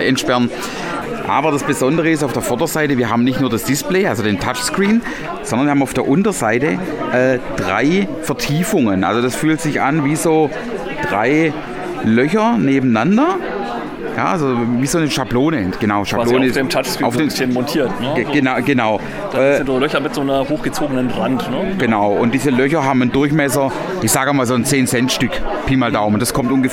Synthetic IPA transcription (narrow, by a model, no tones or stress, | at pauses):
ɛntʃpɛʁn | ʔa̰ːbɐdasb̥ezɔndəʁəɪs̬taʊfd̥eːɐfɔɐdɐzaɪtəviːɐɦaːbm̩nɪçtnuːɐdasd̥ɪspleːʔalzodeːntʰat͡ʃskʁ̥iːn | zɔndɐnvːɐhbmaʊfd̥eːɐʔʊntɐzaɪtə | ʔɛːd̥ʁa̰ɪfɛɐtʰiːfʊŋənʔa̰lzod̥asfyːltz̥ɪçʔanviːzoː | d̥ʁa̰ɪ | lœçɐneːbm̩nandɐ | ja̰ːʔalzoviːzoːnəʃabloːnəɡ̥ənaʊʃaloːnnəeːmtʰat͡ʃsfaʊfeːɪsənmɔntʰiːɐtnəɡ̥ənaɡənaʊ | d̥ɛolœçɐmɪtz̥oːnɐhoːxɡ̥ət͡soːɡənənʁantnəɡ̥ənaʊʔʊnt̚d̥iːzəlœçɐɦaːbməndʊɐçmɛsɐ | ʔɪçz̥aːɡɪmaːlzoːnt͡seːnsɛntʃtʏkpʰiːmaldaʊmʊnd̥askʰɔmtʔʊnɡə